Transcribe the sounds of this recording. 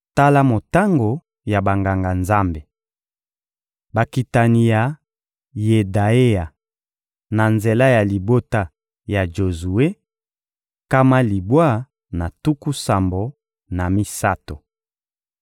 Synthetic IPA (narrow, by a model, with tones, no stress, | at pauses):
ta˦la˦mo˨ta˦ŋɡo˨ | ja˨ba˨ŋɡa˨ŋɡa˨nza˦mbe˨ | ba˨ki˨ta˨ni˨ja˨ | je˨da˨e˦a˨ | na˨nze˨la˦ja˨li˨bo˦ta˦ | ja˨d͡ʒo˨zu˨e˦ | ka˦ma˦li˨bwa˦˨ | na˨tu˦ku˦sa˨mbo˨ | na˨mi˦sa˦to˨